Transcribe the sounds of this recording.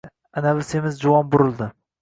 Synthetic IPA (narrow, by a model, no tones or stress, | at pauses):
anabɪsemɪzd͡ʒʊwɒnbʊɾɪlˠd̪ɪ